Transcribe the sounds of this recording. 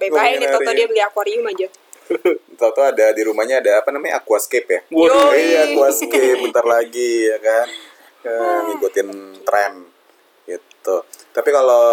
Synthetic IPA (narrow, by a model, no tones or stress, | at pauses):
bajkait̪ɔɔdiabəliakuaɾiumad͡ʒa | t̪ɔt̪uadadiɾumahɲaːdaːpanamaɲa̰akuaskepjaijakuaskɪp̚bənt̪arlaɡijakan | əniɡot̪ɪnt̪ɾɛn | ɡit̪ut̪apikalo